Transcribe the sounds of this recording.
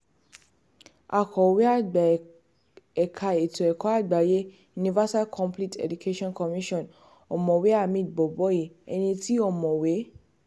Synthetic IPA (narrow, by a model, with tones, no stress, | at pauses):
a˨kɔ˨we˦a˦˨ɡ͡ba˨ | ɛ˨kʰa˧e˨tu˨ɛ˨kɔ˨˦a˦˨ɡ͡ba˨je˨˦ | ju˧nĩ˧va˦sa˦kʰɔ̃˧mpli˦tɛ̰˨du˨kʰe˦ʃɔ̃˦nkɔ˨mĩ˦ʃɔ̃˦˨n | ɔ˨mɔ̃˨we˨˦a˦˨mĩ˧˨tbɔ˨bɔ˨˦ji˨ɛ̰˧nĩ˧ti˦ɔ˦˨mɔ̃˨we˨˦